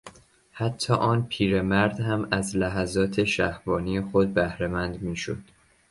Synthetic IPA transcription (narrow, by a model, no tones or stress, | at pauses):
hæt̪ʰːɒːʔɒːnpʰiːɾe̞mæɾd̪hæmæzlæɦæzɒːt̪ʰe̞ʃæhvɒːnijexod̪̚bæhɾemænd̪miːʃo̰d̪̥